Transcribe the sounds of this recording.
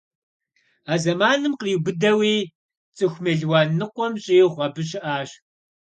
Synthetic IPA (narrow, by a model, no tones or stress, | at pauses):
aːzɐmaːnɨmqiːbɨdɐwiː | t͡sʼɨxʷmɐɮwaːnɨqʷɔmɕʼiːʁʷɐbɨɕʼɪʔaːɕ